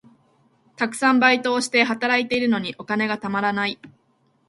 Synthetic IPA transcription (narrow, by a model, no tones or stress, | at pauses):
t̪akɯ̟̥sãmbait̪o̞ːɕi̥t̪e̞ɦat̪aɾait̪e̞iɾɯ̟no̞ɲ̟iʔo̞kane̞ɡat̪amaɾanai